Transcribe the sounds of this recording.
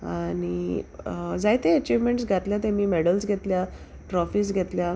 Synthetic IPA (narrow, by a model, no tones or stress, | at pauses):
añi | d͡zajt̪eət͡ɕiʋmeɳʈsɡʱat̪ljat̪emiːmɛɽəlsɡʱet̪lja | ʈɾɔfiːs̬ɡʱɛt̪lja